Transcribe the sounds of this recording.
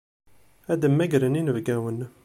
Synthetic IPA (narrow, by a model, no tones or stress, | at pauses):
æd̪əmːæɡɾəninəvɡæwən